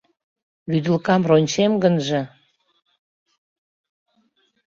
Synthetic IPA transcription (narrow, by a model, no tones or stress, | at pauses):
βyd̪ə̆lkɑmronʲt͡ɕemɡənʒə̆